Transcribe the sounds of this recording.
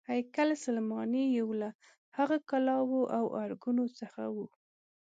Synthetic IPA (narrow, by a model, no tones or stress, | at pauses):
hajkalsalmɑnejewla | haɣakalɑwoʔawʔaɾɡunot͡səxa̰wu